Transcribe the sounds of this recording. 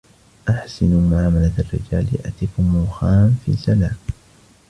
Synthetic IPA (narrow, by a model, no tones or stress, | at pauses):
ʔaħsɪnumaʕaːmalaarːɪ̰d͡ʒaːlɪ̰ʔa̰t̪ikʊmʊːxaːmfḭːsalaːm